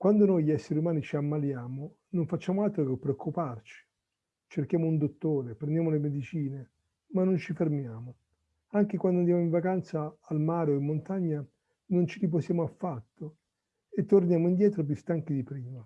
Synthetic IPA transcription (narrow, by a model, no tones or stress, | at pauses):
kwand̪onojʎiɛsːeɾiumaːnit͡ʃiamːaljaːmo | noɱfat͡ʃːaːmoalt̪ɾokepːɾeokːupart͡ʃi̥ | t͡ʃerkjaːmound̪ot̪ːoːɾepɾend̪jaːmolemed̪it͡ʃiːne | manːont͡ʃifermjaːmo | aŋk̟ekwand̪ʊnd̪jamoiɱvakant̪saːlmaːɾoimːont̪aɲːa | nont͡ʃilip̬osjaːmoafːat̪ːo | et̪ːornjaːmoind̪jɛːt̪ɾop̬just̪aŋkid̪ipɾiːma